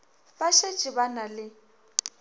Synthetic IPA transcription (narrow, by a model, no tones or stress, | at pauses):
baʃe̥t͡ʃʼibanalɪ